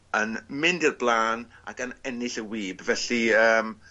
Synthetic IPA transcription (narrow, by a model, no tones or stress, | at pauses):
ənmɪndɪrblˠaːna̰kənɛnɪɬəwiːbvɛɬiəːm